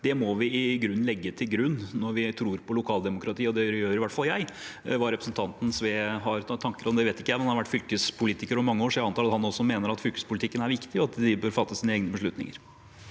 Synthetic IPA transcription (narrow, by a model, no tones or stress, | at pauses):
d̪ɛmɔʋɪɪɡɾʉnːlɛɡːət̪ʰɪlɡɾʉnːnɔɾʋɪt̪ʰɾuːɾpʰɔlʊkʰɑːld̪ɛmʊkʰɾɑt̪ʰiːɔd̪ɛjøːɾɪʋæʈːfɑlːjæɪʋɑɾɛpɾəsn̩t̪ʰɑnt̪n̩sʋeːɦɑɾt̪ʰɑŋkəɾɔmd̪ɛʋeːt̪ɪkːəjæɪmɛnɑhɑʋæʈːfʏlkəspʰʊliːt̪ɪkəɾɔmmɑŋːəoːʂɔjæɪɑnt̪ʰɑːɑt̪hɑnɔsːɔmeːnəɾɑt̪fʏlkəspʊlɪt̪ʰɪkːənæɾʋɪkt̪ɪɑt̪d̪ɪbøːɾfɑt̪ːəsiːnəeːɡənəbəʂɭʉt̪nɪ̰ŋə̰ɾ